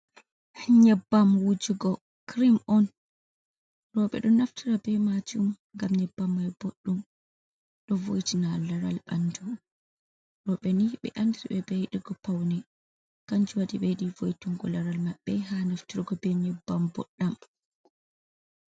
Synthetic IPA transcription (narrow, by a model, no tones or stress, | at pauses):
ɲɛbːamwud͡ʒuɡɔ | kɾimʔɔn | ɾɔɓɛ̰ɗɔnaftʰiɾabɛmad͡ʒum | ŋɡamɲɛbːamːajboɗːum | ɗɔvo̰jtinalaɾa̰lba̰nd͡ʒu | ɾɔɓɛniɓɛ̰ʔandiɾiɓɛbɛjɗiɡɔpawnɛ | kaɲd͡ʒuwadiɓejɗivojtuŋɡɔlaɾalmaɓːɛɦanaftiɾiɡɔbɛɲɛbːambɔ̰ɗːam